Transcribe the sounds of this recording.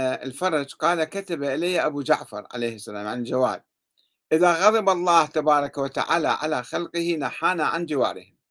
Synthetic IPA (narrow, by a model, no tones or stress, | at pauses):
ɪ̰lfɑɾˤɑd͡ʒqɑːlakat̪abaʔɪlajːaʔabud͡ʒa̰ʕfɑ̰ɾˤʕa̰leːhɪsːala̰ːmʕanɪld͡ʒawa̰ːd̚ | ʔɪðaɣɑðˤɨbɑlˤːɑːht̪abɑːɾˤɑkawat̪a̰ʕa̰ːlaʕa̰laxalqɪhinaħaːnaʕand͡ʒɪwa̰ːɾˤɪ̰hɪm